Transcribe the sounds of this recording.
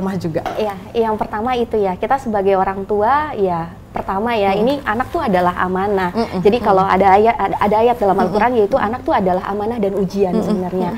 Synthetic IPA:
mahd͡ʒuɡaija | jaŋpərt̪amait̪ujakit̪asəbaɡajoɾaŋt̪uaja | pərt̪amajainiʔanak̚t̪uadalaɦa̰manahd͡ʒadikaloa̰daːjaadaːjat̪̚dalamalkuɾanjait̪uʔa̰nak̚t̪uadalaɦa̰manahdanud͡ʒiansəbənarɲa

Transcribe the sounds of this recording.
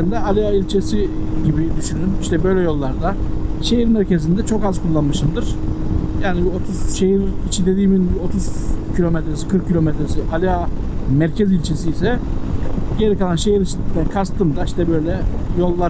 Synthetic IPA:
nd̪ɛalʲijailʲt͡ʃʰe̞siɟibid̪yʃynyniʃt̪ʰɛbø̞jlʲɛjo̞lˠːaɾd̪a | ʃe̞jiɾmæɾce̞zind̪ɛt͡ʃʰo̞kazkʰulˠːanmɯʃɯnd̪ɯɾ̥jaːnibio̞t̪ʰuz̥ʃe̞jiɾit͡ʃʰind̪e̞d̪iːminbio̞t̪ʰuz̥cʰilʲo̞met̪ɾesi̥kʰɯɾkcʰːilʲo̞met̪ɾesiʔalʲijamæɾcʰɛzilʲt͡ʃʰe̞siːsɛ | ɟ̥e̞ɾikalˠanʃejiɾit͡ʃʰit̪i̥t̪ʰːænkʰast̪ʰɯmd̪aiʃt̪ʰɛbø̞jlʲɛjo̞lˠːa

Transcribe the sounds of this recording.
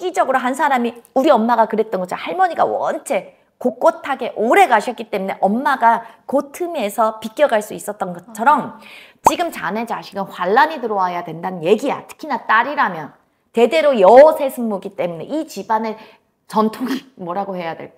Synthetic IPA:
k͈id͡ʑʌɡɯɾoɦans̬ʰaɾamiuɾiʌmːaɡakɯɾe̞t͈̚ʌnɡʌt͡ɕʰahaɭmʌɲiɡa̰wʌ̰nt͡ɕʰe̞ | kok͈otʰaɡe̞ʔoɾe̞ɡaɕʰʌk͈it͈e̞mune̞ʔʌmːaɡakotʰɯme̞sʰʌpik͈jʌɡaɭs͈uis͈ʌt̚t͈ʌnɡʌt͡ɕʰʌɾʌm | t͡ɕiɡɯmt͡ɕane̞t͡ɕaɕʰiɡɯnɸwaɭːaɲitɯɾʌajadwe̞ndanɯnje̞ɡia̰tʰɯ̥kʰinat͈aɾiɾamjʌn | te̞de̞ɾojʌsʰe̞sʰɯmmoɡit͈e̞mune̞̰ʔit͡ɕibane̞ | t͡ɕʌntʰoɡimʌɾaɡohe̞jadweɭ͈

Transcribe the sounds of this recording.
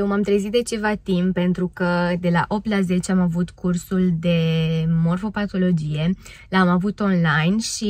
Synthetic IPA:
jewmamt̪ɾezit̪̚d̪e̞t͡ʃe̞vat̪impːe̞nt̪ɾukəd̪e̞laʔo̞p̚t̪laze̞t͡ʃeamavut̪kursuld̪e̞mo̞rfo̞pat̪o̞lo̞d͡ʒije̞ | lamavut̪o̞nlajnʃi

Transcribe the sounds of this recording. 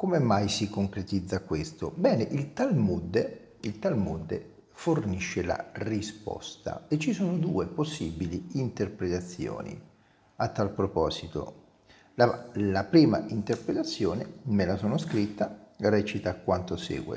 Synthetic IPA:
komemajsikoŋkɾet̪id̪zːakwest̪obɛːneʔilt̪almud̪e | ilt̪almud̪ːe | forniʃːela̰rispɔ̰st̪a̰et͡ʃːisoːnod̪uːeposːibiliint̪erpɾet̪at̪sːjo̰ːnḭ | at̪ːalpɾopɔːzit̪o̰ | lalapɾiːma̰int̪erpɾet̪at̪sːjoːnemelasoːnoskɾit̪ːarɛːt͡ʃit̪akːwant̪osɛ̰ːɡwḛ

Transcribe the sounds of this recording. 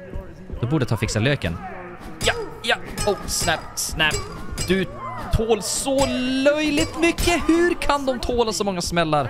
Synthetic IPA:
d̪̥ɔbuːɖət̪ʰɑːfɪksaløːkə̰n | jajɑɔsnæpsnæpd̪̥ɵt̪ʰoːlsɔlœjlɪt̪mʏkːəhʉɾkʰand̪ɔmt̪ʰoːlasɔmɔŋːasmɛlːaɾ

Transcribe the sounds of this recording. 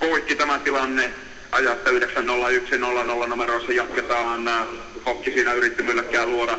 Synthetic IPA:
poikːit̪æmæt̪ilɑnːe | ʔɑ̰jɑet̪ːæyhdeksænnolːɑyksinolːɑnolːɑnumeroˑisːɑjɑt̪ket̪ɑːnː | kokːisiːnæyrit̪ːimylːækːˑæːlluoɾɑ

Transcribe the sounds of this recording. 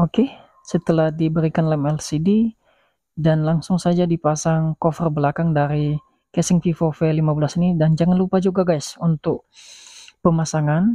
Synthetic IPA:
oke | sət̪əlahdibəɾikanlɛmɛlsidi | danlaŋsʊŋsad͡ʒadipasaŋkofərbəlakaŋdaɾi | kɛsɪŋfifofɛlimabəlasinidand͡ʒaŋanlupad͡ʒuɡaɡajsunt̪ʊk̚ | pəmasaŋan

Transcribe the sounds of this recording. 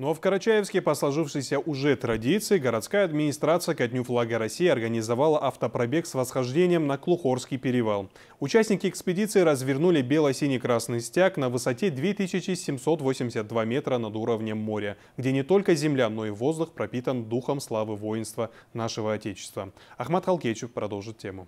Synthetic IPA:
nofkəɾɐt͡ɕæjɪfsʲkʲɪpəslˠɐʐɨfʂɨjsʲəʔʊʐɛt̪ɾɐdʲit̪sɨɪɡəɾɐt̪skajəɐd̪mʲɪnʲɪst̪ɾat̪sɨjəkɐtʲnʲuflˠaɡəɾɐsʲːijɐrɡənʲɪzɐvalˠəʔɐft̪əpɾɐbʲe̞ksvəsxɐʐdʲenʲɪjəmnɐklˠʊxo̞rskʲɪjpʲɪɾʲɪvalˠ | ʊt͡ɕæsʲnʲɪkʲɪɛkspʲɪdʲit̪sɨɪɾəzvʲɪrnulʲɪbʲe̞lˠəjsʲinʲɪkɾasnɨjsʲtʲaknɐvɨsɐtʲe̞d̪vʲet̪ɨɕʲɪt͡ɕɪsʲɪmso̞t̪vo̞sʲɪmʲdʲɪsʲət̪̚d̪vamʲe̞t̪ɾənɐd̪uɾəvnʲəmːo̞ɾʲə | ɡdʲe̞nʲɪt̪o̞lʲkəzʲɪmlʲano̞ivo̞zd̪ʊxpɾɐpʲit̪ənd̪uxəmslˠavɨvo̞jɪnst̪vənaʂɨvəɐtʲet͡ɕɪ̥st̪və | ɐxmat̪xɐlˠkʲet͡ɕɪfpɾɐd̪o̞lˠʐɨt̪̚tʲːe̞mʊ

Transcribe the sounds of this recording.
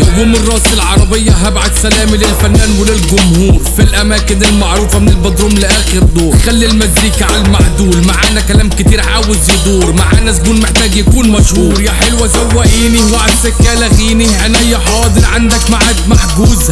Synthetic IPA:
jduːmɪrˤːɑːsɪlʕɑɾˤɑbɪjːaɦabʕad̪sælæːmilɪlfænːæːnwɪlɪlɡʊmhuːɾfilʔæmæːkɪnɪlmaʕɾuːfamɪnɪlbɑd̪ɾuːmlɪʔæːxɪɾd̪oːɾxalːilmæzɾiːkʕalmaʕd̪uːlmaʕaːʔnækælæːmkɪt̪iːɾʕaːwɪzjɪd̪ˤuːɾmaʕa̰ːnæzɡuːnmɪħt̪æːɡjakuːnmæʃhuːɾjaħɪlwæzawːæʔiːniwaʕasːɪkːæːlæɣiːniʔænhɪjːæħɑːd̪ˤɨɾˤʕand̪ækmaʕad̪maħɡuːzhæ

